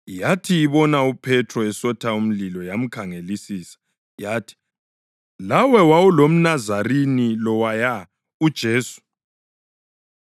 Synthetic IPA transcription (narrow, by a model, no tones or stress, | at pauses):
jatʰiːβɔnaupʰɛtʰrɔɛsɔtʰaum̩lilɔjam̩kʰaŋelisiːsḁ | jaːtʰi̥ | lawɛwawulom̩nazarinilɔwaja | ud̥ʒ̥ʱeːsu̥